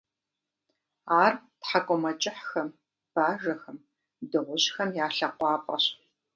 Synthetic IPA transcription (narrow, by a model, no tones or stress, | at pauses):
aːrtħakʷʼɔmɐt͡ʃʼɪħxɐm | b̥aːʐɐxɐm | dɨʁʷʊɕxɐmjaːɬɐqʷɑːpʼɐ̰ɕ